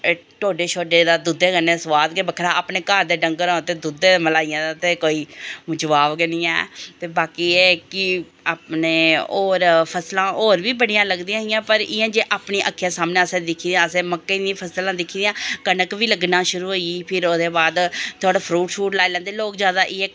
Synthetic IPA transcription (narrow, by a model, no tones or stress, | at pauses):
ʈoːɖeːt͡ʃʰoːɖeːd̪aːd̪ud̪eːɡəneːsʋaːd̪kebəkʰːɾaːaːpneːkaːɾd̪eːɖə̃ŋɡəɾãːt̪eːd̪ud̪eːməlaːijãːd̪aːt̪eːkoːiːd͡ʒəʋaːʋɡənĩːɛ̰ːt̪eːbaːkiːeːkɪ | aːpneːoːɾpʰəslãːoːɾʋiːbəɽijãːləɡd̪ijãːɪjãːpəɾɪjãːd͡ʒeːʔaːpɳiːʔəkʰːjaːsaːmnẽːəsẽːd̪ɪkʰːiːd̪eãːsẽːməkːeiːnĩpʰəslãːd̪ɪkʰːiːd̪iãːkənəkʋiːləɡnaːʃʊɾuːɦoːiːpʰɪɾoːd̪eːbaːd̪t̪ʰʊaːɽaːpʰɾuːʈfʰuːʈlaːiːlɛ̃nd̪eːloːkzjaːd̪aːʔieː